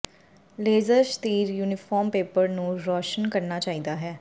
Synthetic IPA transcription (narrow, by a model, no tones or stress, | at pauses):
leːzəɾʃt̪iːɾjuːnɪfʰɔːɾmpeːpəɾnũːɾɔːʃənkəɾnaːt͡ʃaːiːd̪aːɦɛː